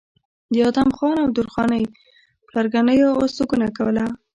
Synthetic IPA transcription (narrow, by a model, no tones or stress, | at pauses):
d̪əɑd̪amxɑnawd̪ʊɾxɑnəj | plaɾɡanəjoosuɡunakawəla